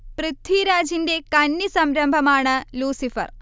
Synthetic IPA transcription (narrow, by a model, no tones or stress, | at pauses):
prɨt̪ːiɾaːd͡ʑinde̞kɐnːisɐmɾɐmbʱɐmaːɳɨluːsifɐ̰r